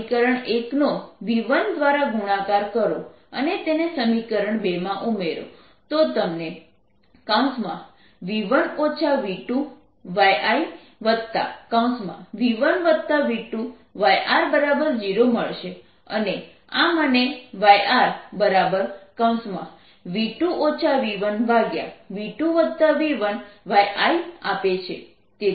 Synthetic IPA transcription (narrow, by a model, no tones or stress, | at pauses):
kəɾəɳeknoʋiʋənd̪ʋaɾaɡʱuɽ̃ãkaɾkəɾo̰ | ənet̪enesəmikəɾəɳbemãʔumeɾo̰ | t̪ot̪əmne | kãũsmã̰ | ʋiʋənot͡ʃʰaʋiʈũ | ʋajai | ʋəd̪̚t̪a̰kãũsmã̰ʋiʋənʋəd̪̚t̪aʋiʈũ | ʋajʔaɾbəɾabəɾd͡ʒiɾoməɭʃe | ə̰ne | aməneʋajaɾbəɾabəɾkãw̃smã̰ | ʋiʈũʔot͡ʃʰaʋiʋənʋaɡja̰ʋiʈũʋəd̪̚t̪aʋiʋənʋajʔaiapet͡ʃʰe | t̪e